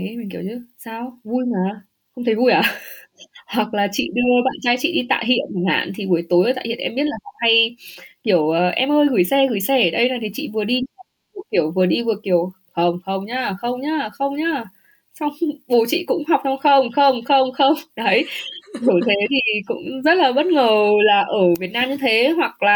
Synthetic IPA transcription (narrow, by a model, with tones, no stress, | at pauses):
mi˨˩ŋ̟ki˧˩əwɲɨ˧saː˧wvu˧jmaː˨˩ | xə˧wŋ͡mt̪ʰə˨˦jvu˧jʔaː˧˩ | hwa˨˩k̚laː˨˩t͡ɕḭ˧˨ɗi˧ɓa̰ː˧˨nt͡ɕa˧jt͡ɕḭ˧˨ɗi˧t̪a̰ː˧˨jɦḭ˧˨ənə˨˧˩nha̰ː˧˨nt̪ʰi˨˩vu˨˩əjt̪o˨˦jə˧˩t̪a̰ː˧˨˩hi˧˨ə˨ʔɛ˧mɓi˦˥t̚la˨˩ka˧˩ŋ͡mha˧jki˧˩əwə˨˩ʔɛ˧mʔəː˧jɣɨ˧˩jsɛ˧ɣɨ˧˩jsɛ˧˩˨ɗə˧jna˨˩jt̪ʰi˨˩t͡ɕḭ˧˨vɨ˨˩əɗi˧ɲ˧˩˧vu˧˩ki˧˩əwvɨ˨˩əɗi˧vɨ˨˩əki˧˩əw | xə˧wŋ͡mxə˧wŋ͡mɲaː˧xə˧wŋ͡mɲaː˧xə˧wŋ͡mɲaː˧ | sa˧wŋ͡mɓo˨˩t͡ɕḭ˧˨kʊ̰˧˥ŋ͡mɦa˨˩wk͡p̚t͡ɕa˧wŋ͡mxə˧wŋ͡mxə˧wŋ͡mxə˧wŋ͡mxə˧wŋ͡mɗə˨˦jɗu˧˩t̪ʰe˨˦t̪ʰi˨˩kʊ̰˧˥ŋ͡mzə˦˥t̚laː˨˩ɓə˦˥t̚ŋəː˨˩laː˨˩ʔəː˧˩vi˨˩ət̚naː˧mɲɨ˧t̪ʰe˨˦ɦwa˨˩k̚laː˨˩